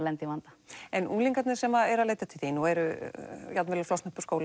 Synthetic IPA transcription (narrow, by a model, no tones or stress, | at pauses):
lɛnt̪ɪvant̪ḁɛnuːliŋkat̪nɪ̥sɛmaɛɾaðleːjt̪at̪ʰɪlθinuɛɾʏjat̪nvɛɾlaflɔsnʏhpaskoːwl